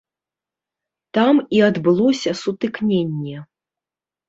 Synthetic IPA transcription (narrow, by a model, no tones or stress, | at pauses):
t̪amiad̪bɨlˠɔsʲɐsut̪ɨknʲenʲːɛ